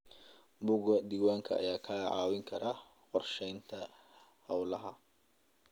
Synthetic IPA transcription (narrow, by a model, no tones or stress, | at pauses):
bʊɣɐd̪iːwaːŋkʰɐɐ̰jaːkʰɐʕɑːwɪŋkʰɐɾɐ | qɔrʃɛjnt̪ʰɐ | hɑwlɐɦɐ